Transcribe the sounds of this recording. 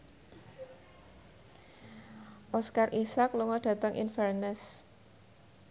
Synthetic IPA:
ʔɔskarʔisakluŋɔɖ̥ä̤t̪əŋʔḭnfɛrnəs

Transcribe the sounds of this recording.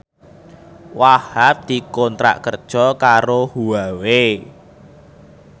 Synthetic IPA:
wahap̚d̪̥i̤kɔnt̪ɾa̰ʔkərd̥ʒ̥ɔ̤kaɾohuwawe

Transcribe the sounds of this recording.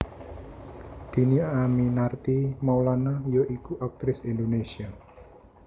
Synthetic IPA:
d̪̥i̤niaaminart̪imawlanajoʔikuʔak̚t̪ɾɪsind̪onesia

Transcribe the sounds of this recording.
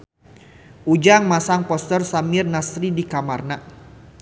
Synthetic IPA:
ʔud͡ʒaŋmasaŋpɔst̪ərsamɪrnasɾidikamarna

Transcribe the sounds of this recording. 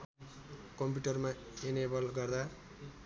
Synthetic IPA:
kʌmp̬uʈʌrma | enebʌlɡʌrd̪a

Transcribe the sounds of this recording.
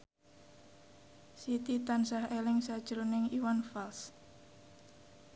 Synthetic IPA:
sit̪it̪ansahelɪŋsad̥ʒ̥ɾonɪŋiwanfals

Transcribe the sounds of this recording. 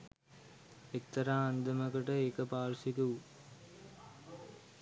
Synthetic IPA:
ekt̪ːɐɾaːɐnd̪ɐmɐkɐʈəekɐpaːɾsit̪uʋ

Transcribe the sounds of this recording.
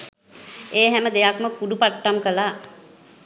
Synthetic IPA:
eːɦɛməd̪ejakməkuɖupaʈːamkəla

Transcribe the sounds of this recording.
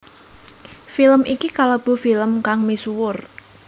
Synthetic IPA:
filəmikikalab̥o̤filəmkaŋmisuwʊr

